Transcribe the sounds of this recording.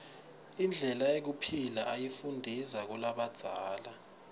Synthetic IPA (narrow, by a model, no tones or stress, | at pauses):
ind͡ɮʱɛlaek̬upʰilaʔajifundʱizak̬ulaɓad̥z̥ʱaːla